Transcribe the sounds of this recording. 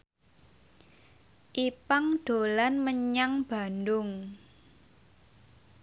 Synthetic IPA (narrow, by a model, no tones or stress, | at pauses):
ʔipaŋɖ̥o̤lanməɲaŋb̥a̤ndʊŋ